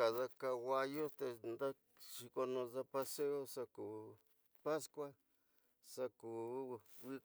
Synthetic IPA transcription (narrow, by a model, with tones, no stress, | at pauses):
a˨ða˧ka˧wa˧jo˦t̪e˧nd̪a˦ | ʃi˧ko˧nõ˧ða˧pa˧se˦o˦sa˧ku˨ | pa˦skwa˦ | sa˧kuː˨ | wi˦